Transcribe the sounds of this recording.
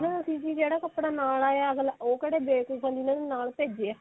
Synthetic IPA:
ɦə̃ʊsĩːd͡ʒiːd͡ʒeːɽaːkəpɽaːnaːlaːjaːəɡəloːkəɽeːbeːkusʰə̃nd͡ʒiːnãːd̪enaːlpeːd͡ʒeɛː

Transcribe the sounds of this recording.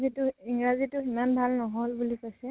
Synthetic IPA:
zitʊiŋɹazitʊimanbʱalnɔɦɔlbulikojsɛ

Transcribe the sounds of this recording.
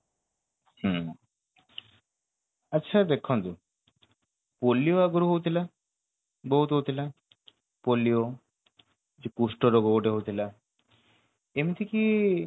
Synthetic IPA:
hɛ̃ | ɐtːɕʰad̪ekʰːont̪u | polːijoaɡuɾoɦowt̪ʰila | bɔɦut̪ɦowt̪ʰila | polːijo | d͡ʑekuʃʈoɾoɡoboʈeɦowt̪ʰila | emit̪ʰiki

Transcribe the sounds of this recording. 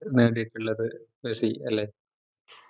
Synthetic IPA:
neːɽijiʈːuɭːɐðɨʋesiɐlːeː

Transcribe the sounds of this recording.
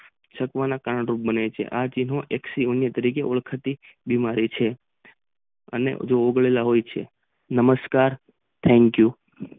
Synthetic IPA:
ʃəkʋanakaɾəɳɾup̚bənejt͡ʃʰḛʔat͡ʃinɦõʔeksionjət̪əɾikeʔoɭkʰət̪i | bimaɾit͡ʃʰe | ə̰nḛd͡ʒoːɡɭelaɦojt͡ʃʰḛ | nəməskaɾ | t̪ʰɛ̃ŋkju

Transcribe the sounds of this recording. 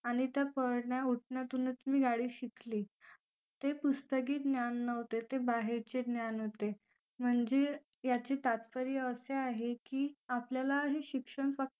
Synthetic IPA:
aɽ̃it̪japəɽɳjauʈ̚ʰɳjat̪unət͡smiːɡaɽiːɕikliː | t̪epust̪ək̬iːd̪njanːəʋt̪et̪ebaɦeɾt͡ɕednjanɦot̪e | m̤əɳd͡ze | jat͡ɕiːt̪at̪fəɾijəseaɦekiːapljalaɦeɕikʂəɳfək̚t̪

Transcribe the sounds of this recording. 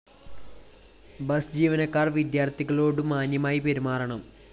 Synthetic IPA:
bɐsd͡ʑiːʋɐnɐkːaːrʋid̪jaːrt̪ʰiɣɐɭo̞ːɽɨmaːnjɐmaːjipeɾimaːrɐɳɐm

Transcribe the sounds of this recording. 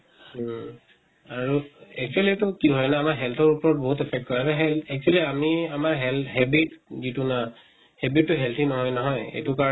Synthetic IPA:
aɹuɛk̚t͡ʃualietʊkiɦɔjnaːmaɹɦɛlt̪ʰɔɹupɔɹɔt̚bɔɦutɛpʰɛk̚t̚kɔjaɹɛɦɛlɛk̚t͡ʃualiamiamaɹɦɛlɦɛbitzituna | hɛbitːuɦɛlt̪ʰinɔɦɔjnɔɦɔjḛjtʊka

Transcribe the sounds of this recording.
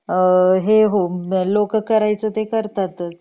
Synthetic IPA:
ɦeɦolokəkəɾajt͡sət̪ekəɾt̪at̪ət͡s

